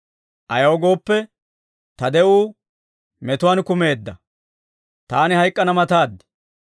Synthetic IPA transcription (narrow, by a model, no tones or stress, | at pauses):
ʔɐjɐwɡo̞ːpːɛ | t̪ɐd̪ɛʔuː | mɛt̪ʊwankʊme̞ːd̪ːɐ | t̪aːnɪhɐjkʼːɐnɐmɐt̪aːd̪ːɪ̥